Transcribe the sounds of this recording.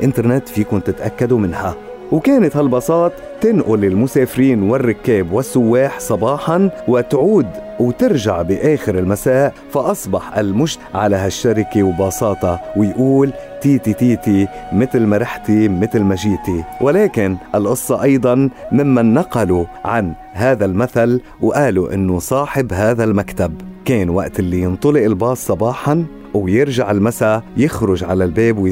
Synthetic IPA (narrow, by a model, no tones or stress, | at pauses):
ʔɪnt̪ɑɾˤnet̪ːfiːkʊmt̪ɪt̪ʔakːad̪umɪnha | wkeːnɪt̪halbɑsˤɑːt̪ˤ | t̪ːɪnʔʊlɪlmʊseːfɪɾiːnwɪrːɪkːeːbwɪsːʊwːeːħsˤɑbɑːħɑnwɪt̪ʕuːd̪wt̪ɪɾʒaʕbɪʔeːxɪɾɪlmasaːʔ | faʔɑsˤbɑħʔa̰lmʊʒ | ʕalaɦaʃːaɾɪkewbɑsˤɑːt̪ˤɑwɪjʔuːlt̪iːt̪it̪iːt̪imɪt̪lmaɾaħt̪imɪt̪lmaʒiːt̪iwʔɪlaːkɪnʔɪlʔʊsˤːɑʔɑjd̪ˤɑnmɪmːanːaqɑluʕan | ɦaːðalmaθal | wʔaːluʔɪ̰nːʊsˤɑːħɪbɦaːðalmakt̪abkeːnwa̰ʔt̪ɪlːijɨnt̪ˤʊlɪʔɪlbɑːsˤːɑbɑːħɑn | wjɪɾʒaʕɪlmasajɪxɾʊʒʕalalbeːbw